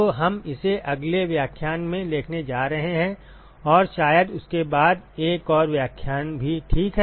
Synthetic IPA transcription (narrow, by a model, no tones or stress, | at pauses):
oɦɐmɪseʔɐɡleʋjaːkʰjaːnmẽleːkʰned͡ʒaːɾɐɦeɦɛ̃ | ɔːɾʃaːjəd̪ʊskebaːd̪eːkɔːɾʋjaːkʰjaːnbʱiʈʰiːkɦɛ